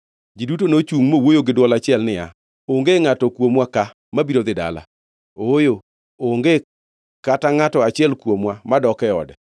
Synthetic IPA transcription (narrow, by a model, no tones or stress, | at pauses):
d͡ʒidutonot͡ʃuŋmowojoɡɪdwɔlat͡ʃɪɛlnɪja̰ | oŋɡeŋatɔkwomwaka | mabiɾod̪ɪda̰la̰ | ojo | oŋɡe | kataŋatɔat͡ʃɪɛlkwomwamadɔkɛɔ̰dɛ